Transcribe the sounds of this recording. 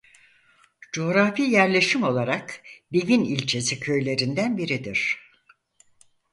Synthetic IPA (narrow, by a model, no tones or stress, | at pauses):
d͡ʒo̞ɾafijæɾlʲe̞ʃimo̞lˠaɾakbeɡʲinilʲt͡ʃʰe̞sicʰø̞jlʲe̞ɾind̪ænbiɾid̪iɾ̥